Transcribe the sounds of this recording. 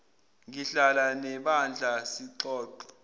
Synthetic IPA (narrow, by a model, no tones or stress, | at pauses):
ŋiɬalanɛɓand͡ɮʱasiǃɔːǃɔ